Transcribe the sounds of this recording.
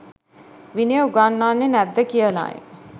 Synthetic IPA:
ʋinijəɡanːaːnːenæd̪ːəkijəla̰ːjḛ

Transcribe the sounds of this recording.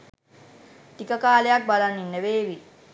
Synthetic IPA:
t̪ikəkaːlejak̚balanːinːeʋeːʋi

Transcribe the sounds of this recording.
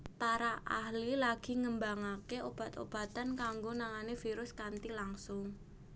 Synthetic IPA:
paɾaʔa̰hlilaɡ̥i̤ŋəmbaŋakeob̥a̤t̪o̰b̥a̤t̪ankaŋɡonaŋanefiɾʊskant̪ilaŋsʊŋ

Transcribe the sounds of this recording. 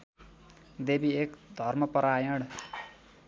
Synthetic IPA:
d̪ebiekd̪ʱʌrmʌpʌɾajʌɽ

